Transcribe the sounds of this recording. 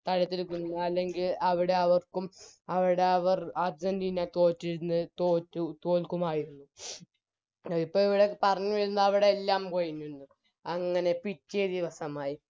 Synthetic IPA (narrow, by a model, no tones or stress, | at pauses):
t̪ɐɻɐt̪ːilkːunːuɐlːe̞ŋɡilɐʋiɽe̞ɐʋɐrkumɐʋiɽe̞ɐʋɐrad͡ʑɐndinat̪o̞ːtːiɾunːɨt̪oːtːut̪oːlkumaːjiɾunːu | ipːoːɭiʋiɽekːpɐrɐɲːuʋɐɾunːɐɐʋiɽe̞ːlːaːmkojinːunːɨ | ɐŋːɐne̞pitːijɐd̪iʋɐsɐmaːji